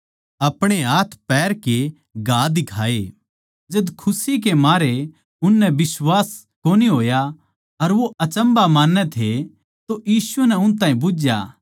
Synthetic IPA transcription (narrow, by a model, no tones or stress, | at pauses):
ɐpɽ̃eɦaːt̪ʰpɛːɾke | ɡaːd̪ɪkʰaːe | d͡ʒɐd̪kʰʊsik̬emaːɾe | ʊnːɛbɪswaːs | koːniɦoːja | ɐɾʋoɐt͡ʃə̃mbamaːnːɛt̪ʰe | t̪ojiːsunɛʊnt̪̬ãːɦĩbʊd͡ʒja̰ː